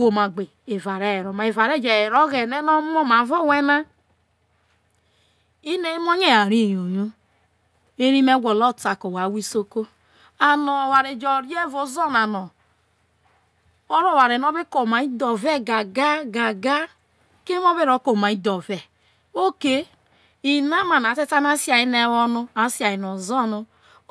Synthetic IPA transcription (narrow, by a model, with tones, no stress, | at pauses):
ɡo˨ma˨ɡ͡be˨ | e˨va˨ɾe˦˨ɾo˨ma˨e˨va˨ɾe˦˨d͡ʒe˨ɾo˦ɣe˨ne˦no˦mo˦ma˨vo˦˨we˦na˦ | i˦ne˨˦mo˦ɲe˦a˨ɾi˦˨jo˨jo˦ | e˦ɾi˦me˦ɡʷo˨lo˦˨ta˨ko˨wa˨˦wi˦so˦ko˦ | a˨nɔ˨wa˨ɾe˨d͡ʒɔ˨ɾi˦e˦vo˨˦zɔ˦na˨nɔ˨ | o˦ɾo˦˨wa˨ɾe˨n˦o˦bi˦ko˨ma˨i˦dɔ˨ve˦˨ɡa˨ɡa˦ɡa˨ɡa˦ | ke˦m˦o˦be˦ɾo˨˦ko˨ma˨i˦do˨ve˨ | o˦ke˦ | i˨na˦ma˨na˨te˦ta˦n˦a˦si˦a˨i˦ne˦wɔ˦nu˦a˨si˦a˨i˨no˨zɔ˦nu˦